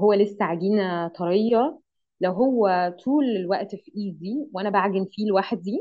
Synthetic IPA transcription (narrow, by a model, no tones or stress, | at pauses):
ɦowːælesːæʕaɡiːnæt̪ˤɑɾejːɑ | læwɦowːæt̪ʰuːlelwæʔt̪fiʔiːdd̪iːweʔænæbaʕɡenfiːlwaħd̪̚ːiː